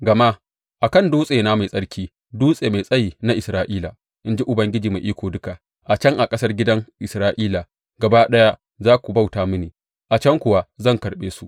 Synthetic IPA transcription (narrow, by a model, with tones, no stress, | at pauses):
ɡɐ˨ma˦ | ʔa˨kɐ˦˨nduː˦sʼeː˨naː˦ma˨jsʼɐ˦ɽkʲiː˦ | duː˦sʼeː˨ma˨jsʼɐ˦jiː˨na˦ʔɪ˨sɾaː˦ʔiː˦la˨ | ʔɪ˦nd͡ʒi˦ʔʊ˨bɐ˦ŋɡʲɪ˦d͡ʒiː˨ma˨jʔiː˦kʷoː˨dʊ˦ka˨ | ʔa˨t͡ʃɐ˦ŋʔa˨kʼɐ˦sɐ˦rɡʲɪ˦dɐ˦ŋʔɪ˨sɾaː˦ʔiː˦la˨ | ɡɐ˨ba˦ɗɐ˦ja˦ | zaː˦kʷu˨ba˦wtaː˨˦mʊ˦niː˨ | ʔa˨t͡ʃɐ˦ŋkʷʊ˨wa˦zɐ˦˨ŋkɐ˨rɓeː˦su˨ʔ